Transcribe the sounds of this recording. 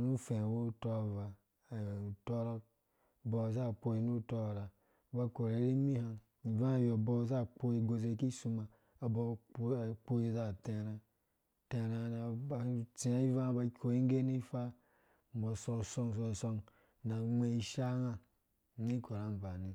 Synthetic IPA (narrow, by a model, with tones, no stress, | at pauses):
nu˦fe˨wo˦to˦˨va˨ | jto˦ɾo˦˨ | bo˨za˦˨k͡po˧i˨nu˦˨to˦˨ɾa˨˦ | ba˦ko˨ɾe˨˦ɾi˦mi˦ha˨n | i˨vã˦a˨jo˨bɔ˦˨za˦k͡po˦i˨ɡo˨ze˧˨ki˦su˧ma˨ | a˨bo˦˨˦k͡po˦i˨za˦˨te˨ɾa˦ | te˨ɾa˨na˨ba˨˦t͡si˨˦i˦va˦˨˦ba˨kʲo˨i˦ŋ˦ɡe˦ni˦fa˦ | m̩˨bo˨so˨so˦ŋ˨s̬o˧˨so˧˦ŋ | na˨mʷe˨i˨ʃa˦na˦˨ | ni˦ko˨ɾa˦m˨ba˨ni˨